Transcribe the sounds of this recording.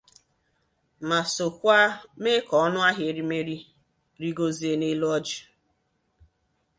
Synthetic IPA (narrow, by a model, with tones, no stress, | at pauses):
ma˨so˨kʷa˦me˦kɔ˨ɔ˦nʊ˦a˦ɦje˨ɾi˦me˦ɾi˦ | ɾi˦ɡo˦zi˨e˨ne˦lɔ˦d͡ʒi˨